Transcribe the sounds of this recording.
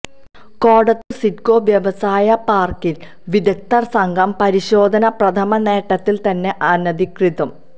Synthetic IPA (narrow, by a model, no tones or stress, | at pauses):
koːɽɐt̪ːɨsitkoːʋjɐʋɐsaːjɐpaːrkil | ʋid̪ɐk̚t̪ɐrsɐŋɡʱɐmpɐɾiɕo̞ːd̪ʱɐnɐprɐt̪ʰɐmɐne̞ːʈːɐt̪ːilt̪ɐnːe̞ʔaːnɐd̪ʱikriðɐm